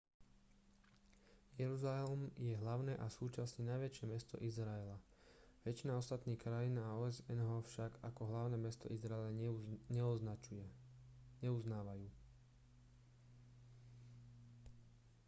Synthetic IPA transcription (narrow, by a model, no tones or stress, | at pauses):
jɛɾuzalɛlɛmjɛɦlaʊnɛʔasuːt͡ʃasɲɛnajʋɛt͡ʃɪɛmɛst̪ɔ̰ʔizɾaɛla | ʋɛt͡ʃinaɔst̪at̪niːxkɾajinaɔːɛzɛnɦɔfʃaɡakɔɦlaʊnɛmɛst̪ɔ̰ʔizɾaɛlaɲɛɔa | ɲɛuznaːʋajuː